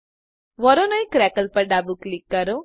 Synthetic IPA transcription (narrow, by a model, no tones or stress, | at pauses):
ʋɔɾonəjkɾɛkəlpɐɾɖabuklikːəɾo